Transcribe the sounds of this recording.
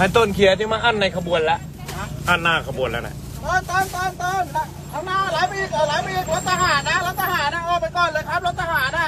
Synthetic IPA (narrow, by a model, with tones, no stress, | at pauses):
a˧˩t̪o˧˩nkʰi˨˦t̪ʰi˧˩maː˧ʔa˧˥˩nːa˧jkʰa˧bu˧ənla˦˥ʔ | ʔa˧˥˩nːaː˧˩kʰa˧bu˧ənla̰˦˥na̰˧˥ | t̪ɔː˧˥˩nt̪ɔː˧˥˩nt̪ɔː˧˥˩nt̪oː˧˥˩na˧˥ | a˨˧˥naː˧˥˩laː˨˦jpiː˧kʰɔː˨˩˦laː˨˦jpiː˧˨˦t̪a˧ɦaː˨˦nːa˦˥laː˦˥wt̪ʰaː˧ɦaː˨˩˦nːa˧˥˩ʔɔː˧˩pa˧jkɔː˧˩nlɤː˧jkʰa˦˥p̚la˦˥t̪̚ʰaː˧haː˨˦nːa˦˧˥